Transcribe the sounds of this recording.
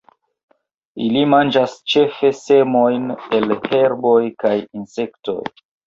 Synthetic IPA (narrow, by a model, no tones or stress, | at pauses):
ilimand͡ʒast͡ʃe̞fe̞se̞mo̞jne̞lhe̞ɾbo̞jkajinse̞kto̞̰j